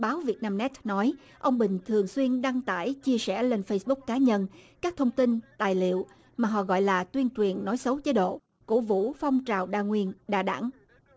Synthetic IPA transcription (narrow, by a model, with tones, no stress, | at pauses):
ɓaː˨˦wvi˨˩ət̚naː˧mnɛ˦˥t̚nɔ˨˦j | ʔə˧wŋ͡mɓï˨˩ŋ̟t̪ʰɨ˨˩əŋswi˧ənɗa˧ŋt̪a̰ː˧˩jt͡ɕi˧əsɛ˧˩le˧nfə˧jsɓʊ˦˥k̚kaː˨˦ɲə˧nkaː˦˥k̚t̪ʰə˧wŋ͡mt̪i˧nt̪aː˨˩jlḭ˧˨əw | maː˨˩ɦɔ̰˧˨ɣɔ̰˧˨jlaː˨˩t̪wi˧ənt͡ɕwi˨˩ənːɔ˨˦jsə˨˦wt͡ɕe˨˦˥ɗo̰˧˨ | kṵ˧˥vṵ˧˥fa˧wŋ͡mt͡ɕaː˨˩wɗa̰ː˧˨ŋwi˧ənɗa̰ː˧˩ɗa̰˧˥ŋ